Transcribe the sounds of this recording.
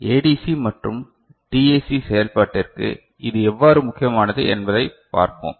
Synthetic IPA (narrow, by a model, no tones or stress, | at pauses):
eːɖisimɐʈrɯm | ʈieːsisɛjɐlpaːʈːɪrkɯ̰ | ʔɪðɯɛʋːaːɾɯmʊkːɪjɐmaːnɐðɯ̰ʔɛnbɐðɐɪpa̰ːɾpo̰ːm